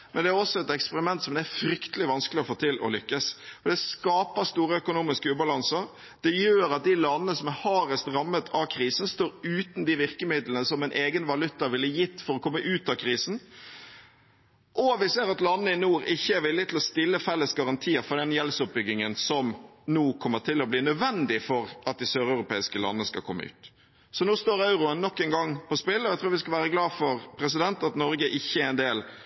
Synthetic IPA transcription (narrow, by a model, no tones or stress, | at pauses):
mɛnd̪ɛæɾɔsːɔɛt̪ɛkspəɾɪmɛnt̪sɔmd̪æfɾʏkt̪əlɪʋɑnskəlɪɔfoːt̪ʰɪlʔɔ̰lʏkːəsfɔɾd̪ɛskɑːpəst̪uːɾəœkʊnuːmɪskəʉːbɑlɑnsəɾ | d̪̥ɛjøːɾɑt̪̚d̪ɪlɑnːəəsɔmɛhɑːɾɛst̪ɾɑmːət̪ʰɑkʰɾiːsn̩st̪oːɾʉːt̪n̩d̪ɪʋɪʁkəmɪd̪lənəsɔmɛɪnʔeːɡənʋɑlʉt̪ːəʋɪlːəjɪt̪ːfɔɾɔkʰɔmːəʔʉːt̪ɑkʰɾiːsn̩ | ʔɔʋɪseːɾɑt̪lɑnːəɪnuːɾɪçːəæɾʋɪlːɪt̪ʰɪlɔst̪ɪlːəfɛlːəsɡɑɾɑnt̪ʰiːəɾfɔd̪ɛnjɛləsʊp̚bʏɡɪŋənsɔmnuːkʰɔmːət̪ʰɪlɔbliːnœd̪ʋɛnd̪ɪfɔɾʔɑt̪̚d̪ɪsøːɾɑʉɾʊpʰeːɪskəlɑ̰nːəskɑ̰lkʰɔmːə̰ʉ̰ːt̪ | sɔnuːst̪oːɾɑʉɾʊənnːɔkːɛŋɡɑŋːpʰɔspɪlːɔæɪt̪ʰɾuːɾʋɪskɑlʋæːɾəɡlɑːd̪fɔɾpʰɾɛs̬ɪd̪ɛnt̪ɑt̪nɔɾɡəʔɪçːəæɛnd̪eːl